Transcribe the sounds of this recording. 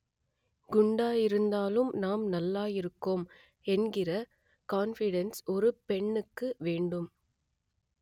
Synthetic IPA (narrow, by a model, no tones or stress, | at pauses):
ɡʊɳɖaːjɪɾɯnd̪aːlɯmnaːmnɐlːaːjɪɾɯkːoːm | ɛnɡɪrɐ | kaːnfɪɽɛnsɔɾɯpɛɳːɯkːɯʋeːɳɖɯm